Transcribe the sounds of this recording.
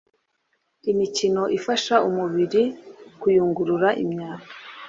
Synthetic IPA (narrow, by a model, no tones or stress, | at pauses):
imicino̞ʔifaʃaumuβiɾikujuːŋɡuɾuɾaʔḭmɲaːkḁ